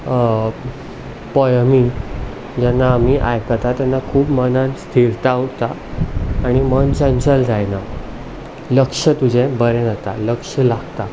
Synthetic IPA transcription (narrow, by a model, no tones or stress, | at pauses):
pɔjmiːn | d͡ʑɛnːaːm̤iʔajkat̪at̪janːakʰuːbmənanst̪ʰiɾt̪aut̪aː | ɽ̃imənt͡ɕənt͡ɕəld͡zajna | ləkʂət̪ud͡ʑʱẽbəɾɛ̃nət̪aləkʂəlaɡt̪a